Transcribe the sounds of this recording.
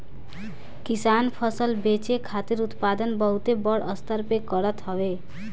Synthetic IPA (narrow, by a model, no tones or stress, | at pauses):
kisanpʰʌsʌlbet͡sekʰat̪iɾut̪pad̪ʌnbʌɦut̪ebʌɽʌst̪ʌrpekʌɾʌt̪ɦʌbe